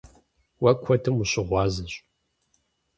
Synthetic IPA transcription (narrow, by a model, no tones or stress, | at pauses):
wɐkʷʰɔtʰɨmuɕɪʁʷɑːzɐɕʼ